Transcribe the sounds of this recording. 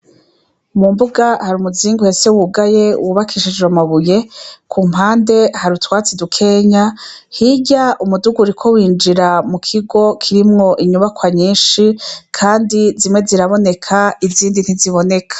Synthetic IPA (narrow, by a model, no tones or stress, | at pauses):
mumbuɡahaɾumuziːŋɡuhe̞se̞wuɡaje̞wʔuβakʰiʃid͡ʒeamaβuje̞kʰuːm̥haːnde̞haɾutwaːt͡sidukʰe̞ːɲa | hiɟaʔumuduɡuɾikʰo̞wiːnd͡ʒiɾamukʰiɡo̞kʰiɾimŋo̞ʔiɲuβakwaɲiːnʃikʰaːndizimŋe̞ziɾaβo̞ne̞kʰaiziːndin̥hiziβo̞ne̞kʰḁ